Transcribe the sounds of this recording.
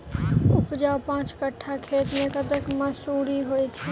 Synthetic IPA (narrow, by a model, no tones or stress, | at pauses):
ʊpd͡ʒaːwpãːt͡ʃkəʈʰːakʰeːt̪mẽkət̪əkməsuːɾiɦoːit͡ʃʰɛ